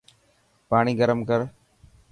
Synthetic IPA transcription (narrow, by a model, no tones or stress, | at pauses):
paːɳiːɡəɾəmkəɾ